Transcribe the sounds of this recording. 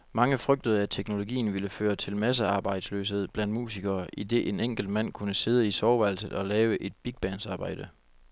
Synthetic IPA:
mɑ̈ŋəfʁœɡ̥̚d̥əð̩ˠæt͡sʰeɡ̥no̝lo̝ɡḭːn̩ʋiləføːɐt͡sʰe̝lmæs̬əɑ̈ːb̥ɑ̈ɪ̰d̥sløːshe̝ð̞̰ˠb̥læn̰d̥̚mṵːsiɡ̥ɐːʔid̥e̝ʔeneŋ̰ɡ̥l̩d̥̚mæn̰kʰunəse̝ð̞ˠəisɒʊʋæl̰səð̩ˠɒ̽lɛːʊəʔe̝d̥b̥iɡ̥̚b̥ænsɑ̈ːb̥ɑ̈ɪ̰d̥ə

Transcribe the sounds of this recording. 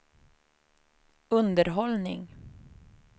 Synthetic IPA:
ɵnd̪əɾɦɔlnɪ̰ŋ

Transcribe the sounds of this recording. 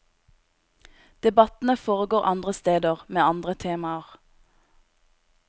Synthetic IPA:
d̪̥ɛbɑt̪n̩əfoːʁəɡoːʁʔɑnd̪ʁəst̪eːd̪əʁmeːɑnd̪ʁət̪ʰeːmɑəʁ

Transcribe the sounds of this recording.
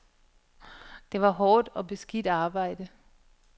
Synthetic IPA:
d̥e̝ʋɑ̈ɦɒːd̥ɒ̽b̥e̝sɡ̥id̥ɑ̈ːb̥ɑ̈ɪ̰d̥ə

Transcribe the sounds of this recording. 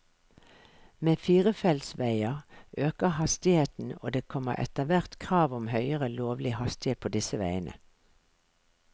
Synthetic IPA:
meːfiːʁəfɛlsʋæɪəʁʔøːkəhɑst̪ɪheːt̪n̩o̰ːd̪eːkʰɔmə̰ʔɛ̰t̪əʋæʁt̪kʰʁɑːʋʊmhœʏəʁəloːʋlɪhɑst̪ɪheːt̪̚pʰoːd̪ɪsəʋæɪənʔə̰

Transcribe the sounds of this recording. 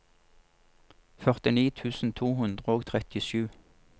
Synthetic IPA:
fœʁt̪ɪniːt̪ʰʉːsn̩t̪ʰuːhʉnd̪ʁəoːɡt̪ʰʁɛt̪ɪʃʉː

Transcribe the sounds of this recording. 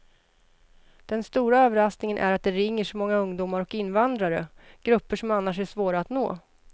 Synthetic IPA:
d̪̥ɛnst̪uːɾaøːvəɾasknɪŋənʔæ̰ɾat̪̚d̪ɛɾɪŋːəʂɔmɔŋːaɵŋd̪uːmaɾɔkɪnːvand̪ɾaɾə̰ɡ̥ɾɵpːəʂɔmanːaʂæʂvoːɾaːt̪no̰ː

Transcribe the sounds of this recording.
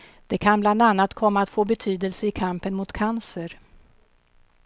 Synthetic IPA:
d̪̥ɛkʰanbland̪anːat̪kʰɔmːaat̪foːbɛt̪ʰyːd̪əlsəɪkʰampənmʊt̪kʰansəɾ

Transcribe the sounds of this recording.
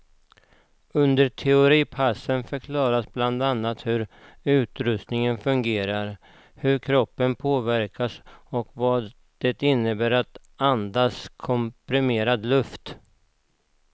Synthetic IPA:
ɵnd̪əʈʰɛʊɾiːpʰasːənfœɾkʰlɑːɾasbland̪anːat̪hɵɾʉ̟ːt̪ɾɵst̪nɪŋənfɵŋɡeːɾaɾ | hɵɾkʰɾɔpːənpʰoːvæɾkʰasɔkvɑːd̪ | d̪̥ɛt̪ɪnːəbæːɾat̪ | and̪aːskʰɔmpɾɪmeːɾad̪lɵft̪

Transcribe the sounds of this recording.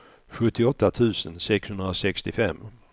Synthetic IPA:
ɧɵt̪ːɪɔt̪ːat̪ʰʉ̟ːsənsɛkshɵnd̪ɾasɛkst̪ɪfɛmː

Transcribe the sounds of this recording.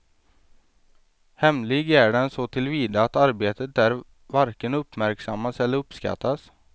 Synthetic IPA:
hɛmlɪɡæɖɛnsɔt̪ʰɪlviːd̪aːt̪aɾbeːt̪ət̪æɾ | vaɾkənɵpːmæɾksamːasɛlːəɾɵpːska̰t̪ːas

